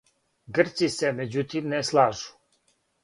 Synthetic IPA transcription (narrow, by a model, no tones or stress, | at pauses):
ɡərt̪sisɛmed͡ʑut̪ʰimnɛslˠaːʒu̥